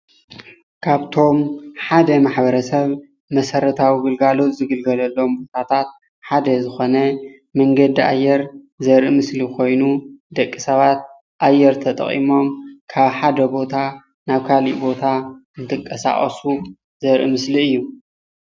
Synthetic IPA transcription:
kʰaβt̪ʰo̞mħad̪ɐmaħbɐɾɐsɐβ | mɐsɐɾɐt̪ʰawiɡɨlɡalo̞t̪zɨɡɨlɡɐlɐlːo̞mbo̞t̪ʰat̪ʰat̪̚ | ħad̪ɐzɨxo̞nɐ | mɐŋɡɐd̪ia̰jːɛɾ | zɐɾʔɨmɨslikʰo̞jnud̪ɐkʼːisɐβat̪̚ | ʔajːɛɾt̪ʰɐt̪ʼɐ̰χʼḭmo̞mkʰaβħad̪ɐbo̞t̪ʰa | naβkʰalḭʔbo̞t̪ʰaɨnt̪ʰɨkʼːɐsa̰χʼɐ̰su | zɐɾʔḭmɨsliɨjːu

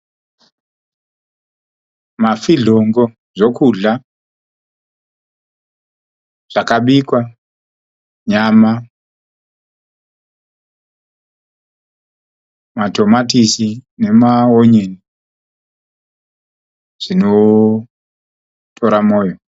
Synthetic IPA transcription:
mafiɮoŋɡo | ʐo̞kuɮa | ʐ̥akaɓikwa | ɲama | mato̞matisine̞maoɲeni | ʐ̥ino | tʰo̞ɾamoːjo

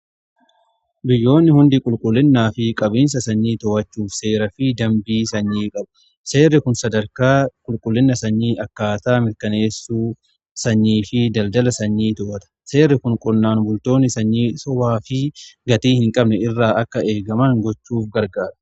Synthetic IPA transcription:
bɪjːo̞ːnːɪhʊnd̪ɪkʼʊlkʼʊlːɪnːaːfɪkʼɐbiːns̬ɐsɐɲːiːt̪ɔwɐt͡ʃːuːfse̞ːɾɐfɪd̪ɐmbiːsɐɲːiːkʼɐb̚ | se̞ːrːɪkʊnsɐd̪ɐɾkaːkʼʊlkʼʊlːɪnːɐsɐɲːiːʔɐkːaːt̪aːmɪɾkɐne̞ːsːuː | sɐɲːiːfɪd̪ɐld̪ɐlɐsɐɲːiːt̪ɔwɐt̪ɐ̥se̞ːrːɪkʊŋkʼʊnːaːnbʊlt̪o̞ːnːɪsɐɲːiːsɔwaːfɪɡɐt̪iːhɪŋkʼɐbnɛɪrːaːʔɐkːɐʔe̞ːɡɐmɐŋɡɔt͡ʃːuːfɡɐɾɡaːɾɐ̥

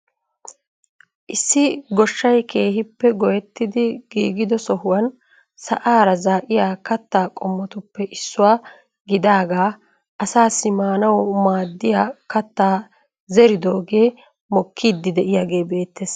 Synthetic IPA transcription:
ʔɪsːɪɡɔʃːɐjke̞ːɦɪpːɛɡɔjɛt̪ːɪd̪ɪɡ̥iːɡɪd̪ɔsɔɦʊwɐn | sɐʔaːɾɐzaːʔɪjaːkɐt̪ːaːkʼɔmːɔt̪ʊpːɛʔɪsːʊwaː | ɡɪd̪aːɡaː | ʔɐsaːsːɪmaːnɐwmaːd̪ːɪjaːkɐt̪ːaː | zɛɾɪd̪oːɡe̞ː | mɔkʰːiːd̪ːɪd̪ɛʔɪjaːɡe̞ːbe̞ːt̪ːeːs

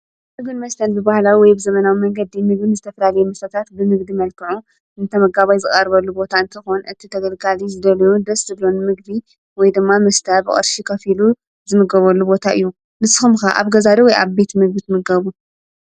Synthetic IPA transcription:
sɨɡɨnmɐst̪ʰɐnbɨbahlawiwɔjbɨzɐmɐnawimɐŋɡɐd̪imɨɡbɨnzɨt̪ʰɐfɐlalɐjɛmɐsɐt̪ʰat̪bɨmɨɡd̪imɐlkʰɨʕu | ɨnt̪ʰɐmɐɡaβajzɨχʼɐɾβɐlːubo̞t̪ʰaɨnt̪ʰɐxonɨt̪ʰit̪ʰɐɡɐlɡalizɨd̪ɐlɐjud̪ɐszɨblo̞nmɨɡd̪i | wɔjd̪ɨmːamɐst̪ʰabɨ̰χʼɨ̰ɾʃikʰɐfilu | zɨmɨɡɐβɐlːubo̞t̪ʰaʔɨ̰jːu | nɨsɨxɨmxaʔa̰βɡɐzad̪ɐwɔjʔa̰βbe̞t̪mɨɡ̚bit̪mɨɡɐβu

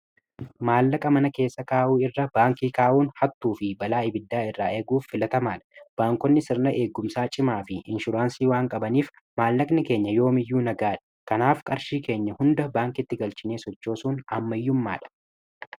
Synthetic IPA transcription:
maːlːɐkʼɐmɐnɐke̞ːsːɐkaːʔuːɪrːɐb̥aːŋkiːkaːʔuːnhɐt̪ːuːfɪbɐlaːɪbɪd̪ːaːɪrːaːʔe̞ːɡuːfːɪlɐt̪ɐmaːᶑɐ̥b̥aːŋkɔnːɪsɪɾnɐʔe̞ːɡːʊmsaːt͡ʃʼɪmaːfɪɪnʃʊɾaːnsiːwaːŋkʼɐbɐniːf | maːlːɐknɪke̞ːɲːɐjo̞ːmɪjːuːnɐɡaːᶑɐ̥kɐnaːfkʼɐɾʃiːke̞ːɲːɐhʊnd̪ɐbaːŋkɪt̪ːɪɡɐlt͡ʃɪneːsɔt͡ʃːo̞ːsuːnɐmːɐjːʊmːa̰ːᶑɐ̥

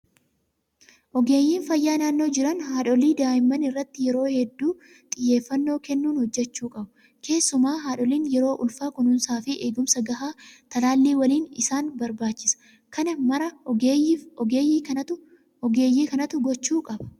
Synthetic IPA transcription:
ʔɔɡeːjːiːnfɐjːaːnaːnːo̞ːd͡ʒɪɾɐnhaːᶑɔliːd̪aːjɪmːɐnɪrːɐt̪ːɪjɛɾo̞ːhɛd̪ːuː | t̪ʼɪjːe̞ːfːɐnːo̞ːkɛnːuːnhɔd͡ʒːɛt͡ʃːuːkʼɐbʊ | ke̞ːsːʊmaːɦaːᶑɔliːnjɛɾo̞ːʔʊlfaːkʊnʊnsaːfɪʔeːɡʊmsɐɡɐɦaːt̪ɐlaːlːiːwɐliːnɪ̰saːnbɐɾbaːt͡ʃːɪsɐ̥ | kʰɐnɐmɐɾɐ | eːjːɐʊ | ɔɡeːjːiːkɐnɐt̪ʊɡɔt͡ʃːuːkʼɐbɐ̥

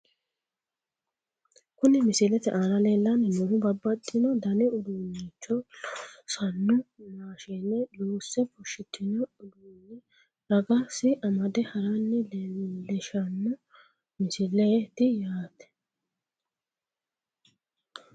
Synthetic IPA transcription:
kʊnɪmɪsɪlɛt̪ɛʔaːnɐleːlːɐnːɛnʊɾʊbɐbːɐt̪ʼːɪnɔd̪ɐnɪʊd̪uːnːit͡ʃːɔ | sɐnːʊnaːʃenːɛluːsːɛpʊʃɪt̪ʰːɪnɔʊd̪uːnːɪ | ɾɐɡasɪʔɐmɐd̪ɛhɐɾanːɪlɛʃɐnːʊ | mɪsɪlːeːt̪ɪjaːt̪ɛ̥

